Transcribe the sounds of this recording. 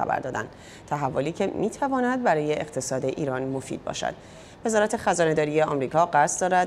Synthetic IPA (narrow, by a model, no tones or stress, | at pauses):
æ̰bæ̰ɾd̪ɒːd̪æ̰nd̪ | t̪ʰæɦævːoliːcʰe̞miːt̪ʰævɒːnæd̪̚bæɾɒːje̞eqt̪ʰe̞sɒːd̪e̞ʔiːɾɒnmo̞fḭd̪̚bɒ̰ːʃæ̰d̪̥ | ve̞zɒːɾæt̪ʰe̞xæzɒːne̞d̪ɒːɾijeɒmɾiːkʰɒːɢæsd̪ɒːɾæd̪